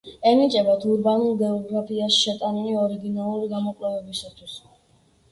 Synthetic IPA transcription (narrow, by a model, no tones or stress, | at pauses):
ɛnit͡ʃʼɛbat̪ʰuɾbanulˠɡɛɔɡɾapʰiasʃɛt̪ʼaniliɔɾiɡinalˠuɾiɡamɔkʼlɛvɛbisat̪ʰwis